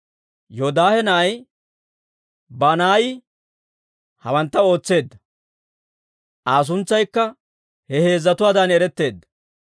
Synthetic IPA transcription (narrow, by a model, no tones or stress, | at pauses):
jod̪aːhɛnɐːj | banaːjɪ | hɐ̰wɐnt̪ːɐo̞ːt͡sːe̞ːd̪ːɐ | ʔaːs̬ʊnt͡sːɐjkːɐ | hɛhe̞ːzːɐt̪ʊwaːd̪ɐnɛɾɛt̪ːe̞ːd̪ːɐ̥